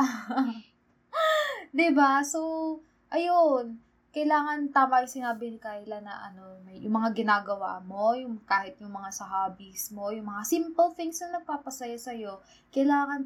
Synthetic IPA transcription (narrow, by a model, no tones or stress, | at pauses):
d̪ɪbaso | ʔɐjon | kɐjlaːŋɐnt̪aːmɐʔɐŋsɪnaːbɪnɪkaːjɪlɐnɐ̰ʔɐ̰no̞mɐjjʊ̰ŋmɐŋaɡɪnaːɡɐwa̰ːmo̞jʊŋkaːhɪt̪̚jʊŋmɐŋasɐɦaːbismo̞jʊŋmɐŋasimpolfɪŋsɐŋnɐɡ̚paːpɐsɐjosɐjo̞ | kɐjlaːŋɐn